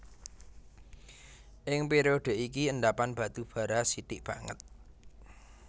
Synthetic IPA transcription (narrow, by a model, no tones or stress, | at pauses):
ʔɪŋpeɾioɖ̪̥e̤ʔikiənd̪apanb̥a̤t̪ub̥ä̤ɾasit̪ɪʔb̥a̤ŋə̰t̪̚